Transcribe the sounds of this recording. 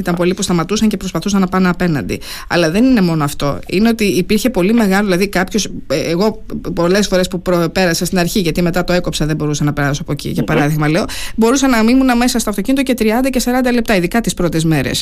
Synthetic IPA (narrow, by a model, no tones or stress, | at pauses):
it̪ɐmpo̞lipust̪ɐmɐt̪usɐɲce̞pɾo̞spɐθusɐnːɐpɐnɐpe̞nɐ̰nd̪ḭ | ɐ̰lɐðe̞nine̞mo̞noɐft̪o̞̰ine̞o̞t̪iːpiɾçe̞po̞lime̞ɣɐloðilɐðikɐpço̞sːɣo̞po̞le̞sfo̞ɾe̞spupɾope̞ɾɐsɐst̪inɐɾçiʝɐt̪ime̞t̪ɐt̪oe̞ko̞psɐðebo̞ɾusɐnɐpeɾɐsoɐpo̞cḭʝɐpɐɾɐðiɣmɐleo̞bo̞ɾusɐnɐmimunɐme̞sɐst̪oɐft̪o̞cinit̪oce̞t̪ɾiɐnd̪ɐce̞sɐɾɐnd̪ɐle̞p̚t̪ɐiðikɐt̪ispɾo̞t̪e̞zme̞ɾḛs